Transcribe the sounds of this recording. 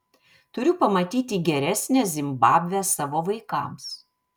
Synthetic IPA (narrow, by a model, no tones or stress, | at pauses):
t̪ʊɾʲʊpɐmɐt̪ʲiːt̪ʲiːɡʲɛɾʲæsʲnʲɛzʲɪmbɑːbʲʋʲɛsɑːʋoːʋɐɪkɑ̰ːˑms